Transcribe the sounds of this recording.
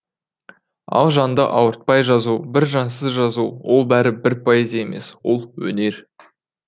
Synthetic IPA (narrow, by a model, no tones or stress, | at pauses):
ɑ̰lˠʒɑnd̪əʔɑwəɾt̪̚pɑjʒɑzubɪɾʒɑnsəzʒɑzuwo̞lˠbæɾɪbɪɾpʰojezʲjeme̞̰swo̞lˠwɵ̰ne̞ɾ